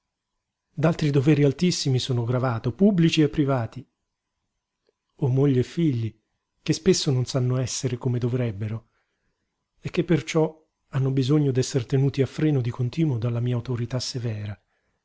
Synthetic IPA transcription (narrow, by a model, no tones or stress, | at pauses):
d̪alt̪ɾid̪ovɛːɾialt̪isːimisoːnoɡɾavaːt̪opubːlit͡ʃiepːɾivaːt̪i | omːoʎːeːfːiʎːi | k̟espesːononsanːoɛsːeɾekomed̪ovɾɛbːeɾo | ek̟ːepːert͡ʃɔ | anːobizoɲːod̪ɛsːeɾt̪enuːt̪iafːɾɛːnod̪ikont̪iːnwod̪alːamiːauwt̪oɾit̪asevɛːɾa